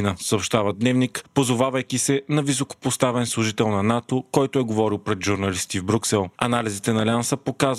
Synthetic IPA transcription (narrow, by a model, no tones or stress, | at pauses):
nəsɐopʃt̪avəd̪nɛvnikpozovavəjkisɛnɐvisoko̥post̪avɛnslˠʊʒit̪ɛlˠnɐnat̪okɔjt̪oɛɡovɔɾilˠpɾɛd̪ʒuɾnɐlist̪ivbɾʲuksɛlˠɐnalizit̪ɛnɐlʲansəpokaz